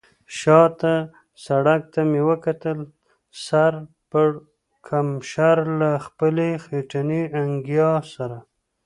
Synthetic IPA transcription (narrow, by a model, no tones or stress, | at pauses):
ʃɑt̪a | saɽak̚t̪amewəkat̪əl | saɾ | pə | kʰamʃaɾlaxpəlexeʈaniaŋɡjɑsaɾa